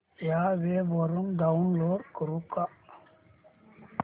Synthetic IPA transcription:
jaʋeʋəɾunɖaunloːɖkəɾuka

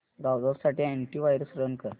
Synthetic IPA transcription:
ɾawd̪əɾsaʈiːeɳʈiːʋajɾəsɾənkəɾ

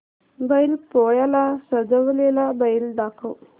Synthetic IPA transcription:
bəjilpojalasəd͡zəʋlelabəjilɖakʰəw

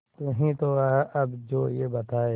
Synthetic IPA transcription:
t̪ʊɦĩt̪oɐbd͡ʒoːjebɐt̪aːe

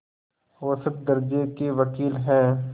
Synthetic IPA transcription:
wɐsət̪̚d̪ɐɾd͡ʒekeʋɐkiːlɦɛ̃ː

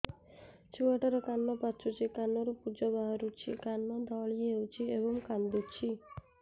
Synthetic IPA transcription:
t͡ʃuaʈɔɾɔkanːɔpat͡ʃʰut͡ʃʰikanɔɾupud͡ʒɔbaɦaɾut͡ʃʰikanːɔd̪ɔɭieɦewt͡ʃʰiebɔŋkand̪ut͡ʃʰi

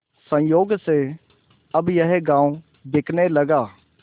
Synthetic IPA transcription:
sə̃joːɡseː | əbjəɦeɡãːũ | d̪ɪkʰneːləɡaː

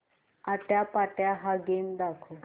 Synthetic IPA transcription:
at̪japaʈjaɦaɡend̪akʰo

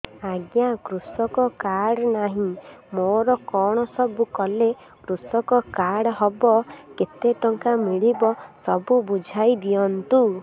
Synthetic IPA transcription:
aɡjakɾusɔkɔkaɽɔnaɦĩmoɾɔkɔɽ̃ɔsɔbukɔle | kɾusɔkɔkaɽɔɦɔbɔket̪eʈɔŋkamiɭibɔsɔbubud͡ʒʱajd̪ijɔnt̪u

